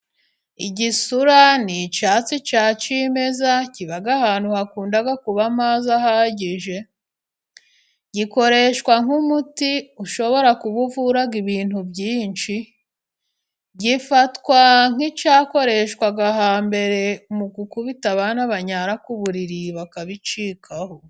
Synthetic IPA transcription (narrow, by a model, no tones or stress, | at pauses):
iɟisuɾanit͡ʃaːt͡sit͡ʃaːt͡ʃime̞zaciβaɡahaːn̥huhakuːndaɡakuβamazahaɟiʒe̞ | ɟiko̞ɾe̞ʃkwaŋumutiuʃo̞βo̞ɾakuβuvuɾaɡiβiːn̥hubɟiːnt͡ʃi | ɟifatkwaŋ̥it͡ʃaːko̞ɾe̞ʃkwaɡaɦaːmbe̞ɾe̞umukukuβitaβanaβaɲaɾakuβuɾiɾiβakaβit͡ʃiːkʰaho